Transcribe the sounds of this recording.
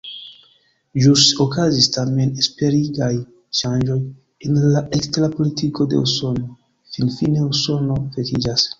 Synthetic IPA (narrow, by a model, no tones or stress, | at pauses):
ʒusokazistame̞nespe̞ɾiɡaj | ʃand͡ʒo̞j | enlaʔeksteɾapo̞litiko̞de̞̰uso̞no̞ | finfine̞uso̞no̞fekid͡ʒas